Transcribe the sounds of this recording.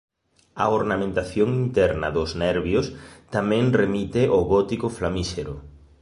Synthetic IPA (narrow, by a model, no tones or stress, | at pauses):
ɐ̰oɾnamẽnt̪aθjoŋint̪ɛɾnɐ̰ðʊznɛɾβjost̪amɛ̃ŋremit̪ɪʔoɣɔt̪ikʊflamiʃeɾʊ̰